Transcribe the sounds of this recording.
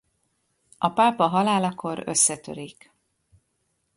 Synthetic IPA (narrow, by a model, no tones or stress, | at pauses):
ɒpaːpɒɦɒlaːlɒkʰo̞ɾø̞̰sːɛt̪ø̰ɾik